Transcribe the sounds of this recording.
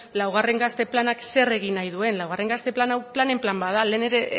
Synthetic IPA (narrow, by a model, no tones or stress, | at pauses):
lawɣ̞are̞ŋɡast̪e̞planakse̞re̞ɣ̞inajð̞ue̞nlawɣ̞are̞ŋɡast̪e̞planawplane̞mplambaðale̞ːne̞ɾe̞